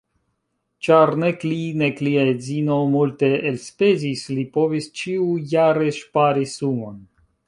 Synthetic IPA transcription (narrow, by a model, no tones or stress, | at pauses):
t͡ʃaɾneklinekliazinomulte̞elspezislipo̞vist͡ʃiujaɾe̞ʃpaɾisumo̞n